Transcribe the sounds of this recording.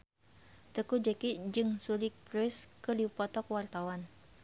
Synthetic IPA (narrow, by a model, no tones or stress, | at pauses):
t̪əkud͡ʒɛkid͡ʒɨŋsulikpɾɔskədiupɔt̪ɔkwart̪awan